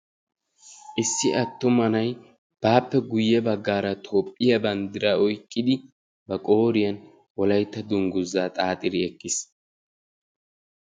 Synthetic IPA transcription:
ʔɪsːɪʔɐt̪ːʊmɐnɐj | b̥aːpːɛɡʊjːɛbɐɡːaːɾɐt̪ʰo̞ːpʼːɪjɐbɐnd̪ɪɾɐɔjkʼːɪd̪ɪ | bɐkʼo̞ːɾɪjɐn | wɔlɐjt̪ːɐd̪ʊŋɡʊzːaːt̪ʼaːt̪ʼɪɾɪɛkːɪs

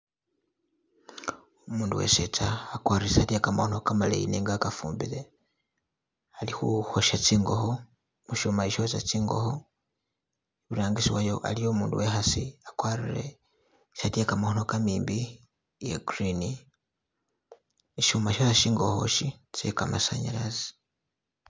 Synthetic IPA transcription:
umuːnduwḛsetaːkwaːɾiesatiekamahonokamalḛjḭneŋɡakafṵːmbile | alixuhoʃat͡siːŋɡo̞ho | muʃomaiʃosat͡siːŋɡo̞̰ho | eβuɾaːŋɡisiwajoʔa̰lijomuːnduwehasiakwaɾiɾḛ | satiekamahonokamiːmbi | jeɡɾini | iʃumaʃosaʃiːŋɡo̞ho̰ʃit͡sḛkamasa̰ɲa̰lazi̥

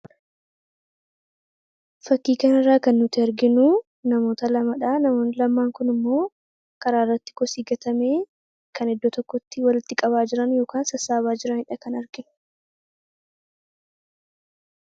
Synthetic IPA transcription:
fɐkːiːkɐnɪrːaːkɐnːʊt̪ɪɐɾɡɪnuː | nɐmo̞ːt̪ɐlɐmɐᶑaːnɐmoːnlɐmːaːŋkʊnɪmːo̞ː | kɐɾaːɪrːɐt̪ːɪ̥kɔsiːɡɐt̪ɐmeː | kʰɐnɛd̪ːɔt̪ɔkːɔt̪ːɪwɐlɪt̪ːɪkʼɐβaːd͡ʒɪɾɐnjoːkaːnsɐsːaːβaːd͡ʒɪɾɐhɪᶑɐkɐnɐɾɡɪnʊ̥

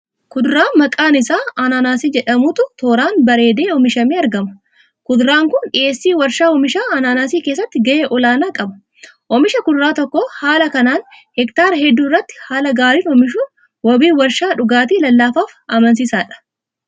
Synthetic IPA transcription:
kʊd̪ɾaːnmɐkʼaːnɪsaːɐnaːnaːsiːd͡ʒɛᶑɐmʊt̪ʊt̪oːɾaːnbɐɾe̞ːd̪e̞ːɔmɪʃɐmeːɐɾɡɐmɐ̥ | kʊd̪ɾaːŋkʊnᶑɪʔe̞ːsːiːwɐɾʃaːɔmɪʃaːɐnaːnaːsiːkeːs̬ːɐt̪ːɪɡɐjeːʔɔlaːnaːkʼɐbɐ̥ | ʔɔmɪʃɐkʊd̪ɾaːt̪ɔkːɔhaːlɐkɐnaːn | hɛkt̪aːɾɐɦɛd̪ːuːɪrːɐt̪ːɪ̥haːlɐɡaːɾiːnɔmɪʃʊ | wɐbiːwɐɾʃaːᶑʊɡaːt̪̬iːlɐlːaːfaːfɐmɐns̬ɪsaːᶑɐ̥

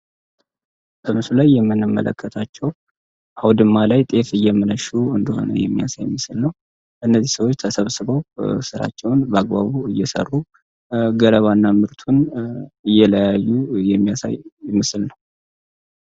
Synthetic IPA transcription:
bəmɨsulajːɛmːɨnːɨmːə̰lə̰kʰːət̪ʰat͡ʃːɛw | ʔawd̪ɨmːalajt̪ʼe̞fɨjːɛmɨnəʃuɨnd̪əho̞̰nə̰jɛ̰mːija̰sajɪmɨsɨlnəw | ɨnːəzːisəwo̞t͡ʃːt̪ʰəsəβsɨβəwsɨɾa̰t͡ʃːɛwnbəaɡ̚baβuɨjːɛsə̰rːu | ɡələβanːamɨɾt̪ʰunɨjːɛləjajːujɛmːijasa̰jɪmɨsɨlnəw

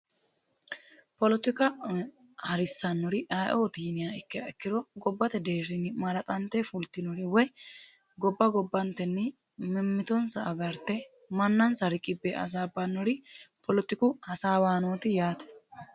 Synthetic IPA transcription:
pɔlɔt̪ɪkɐ | hɐɾɪsːɐnːɔɾɪʔajʔoːt̪iːnɪjaɪkːɛɛkːɪd̪ɔɡɔbːɐt̪ɛd̪eːɾɪnɪmɐɾɐt̪ʼɐnt̪ːɛfʊlt̪ːɪnɔɾɪwɔj | ɡɔbːɐɡɔbːɐnt̪ːɛnːɪ | mɪmːɪt̪ɔnsɐʔɐɡɐɾt̪ːɛ | mɐnːɐnsɐɾɪkʼɪbːɛʔɐ̰s̬aːbɐnːɔɾɪpʰɔlɔt̪ɪkʊhɐsaːwaːnoːt̪ɪjaːt̪ɛ̥

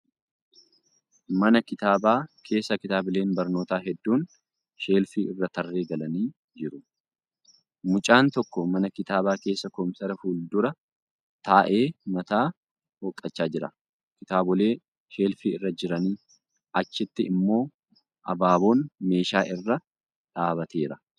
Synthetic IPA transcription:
mɐnɐkɪt̪aːbaːkʰe̞ːsːɐkɪt̪aːbɪle̞ːnbɐɾnoːt̪aːɦɛd̪ːuːn | ʃe̞ːlfiːʔɪrːɐt̪ɐrːe̞ːɡɐlɐniː | d͡ʒɪɾʊ | mʊt͡ʃʼaːnt̪ɔkːɔmɐnɐkɪt̪aːbaːke̞ːsːɐkɔmsɐɾɐfuːld̪ʊɾɐ | t̪aːʔe̞ːmɐt̪aː | wɔkʼːɐt͡ʃːaːd͡ʒɪɾɐ̰ | kɪt̪aːbɔle̞ː | ʃe̞ːlfiːɪrːɐd͡ʒɪɾɐniː | ɐt͡ʃːɪt̪ːɪɪmːo̞ː | ʔɐbaːbo̞ːnme̞ːʃaːʔɪrːɐ | ᶑaːbɐt̪e̞ːɾɐ

